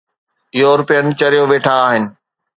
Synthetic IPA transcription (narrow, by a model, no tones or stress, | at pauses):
ɪjoːɾʊpijənɪ̆t͡ɕɐɾijoʋeːʈʰãaːɦɪnɪ̆